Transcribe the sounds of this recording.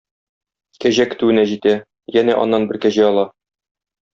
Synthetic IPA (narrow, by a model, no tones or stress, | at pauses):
kæʑækɘ̆t̪ɘ̆wɘ̆næʑit̪æ | jænæʔɒ̰nːɑnbɘɾkæʑæɒlˠɑ